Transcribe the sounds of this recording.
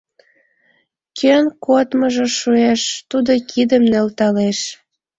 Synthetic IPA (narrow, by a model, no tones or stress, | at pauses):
kʰønkot̪məʒə̆ʃueʃt̪ud̪okʰid̪əmnelt̪ɑleʃ